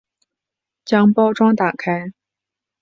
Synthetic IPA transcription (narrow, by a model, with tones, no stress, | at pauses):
t͡ɕjɑ˥ŋpɑ˥ʊʈ͡ʂwɑ˥ŋt̪a˨˩kʰa˥ɪ